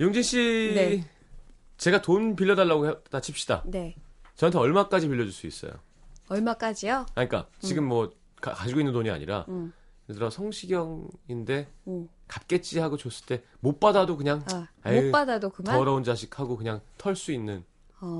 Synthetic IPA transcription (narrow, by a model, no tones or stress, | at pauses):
joŋd͡ʑiŋɕ͈i | t͡ɕe̞ɡatonp̬iʎːʌdaɭːaɡohetat͡ɕʰip̚ɕ͈ida̰net͡ɕʌantʰeʌɭmak͈ad͡ʑipiʎːʌd͡ʑuɭs͈uḭs͈ʌ̰jo̰ | ʌɭmak͈ad͡ʑijoaɲik͈a̰t͡ɕiɡɯmːwʌ | ka̰kad͡ʑiɡoinːɯntoɲia̰ɲḭɾa̰ | kedɯɾʌsʰʌŋɕʰiɡjʌŋinde̞ | kap̚k͈e̞t͡ɕ͈iɦaɡot͡ɕos͈ɯ̥ɭt͈e̞mop͈adadokɯɲaŋap͈adadokɯmaʌɾʌond͡ʑaɕʰi̥k̚ʰhaɡokɯɲaŋtʰʌɭs͈uinːɯn